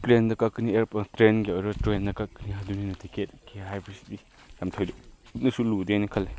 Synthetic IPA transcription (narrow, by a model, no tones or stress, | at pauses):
plendɐkakːinieɾptɾenɡiɔjɾɐtɾendɐkakːiniɦaduninɐtʰiket̚kʰiɦajbʰɐsi̥di | jamtʰojdɔp̚nɐsuludejnɐkʰɐlːe